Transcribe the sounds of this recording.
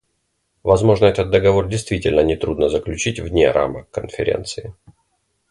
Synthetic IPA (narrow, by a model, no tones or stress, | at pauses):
vɐzmo̞ʐnəɛt̪ət̪̚d̪əɡɐvo̞rdʲɪjst̪vʲitʲɪlʲnənʲɪt̪ɾud̪nəzəklʲʉt͡ɕitʲvnʲḛɾʔa̰məkːənfʲɪɾʲḛnt̪sɨɪ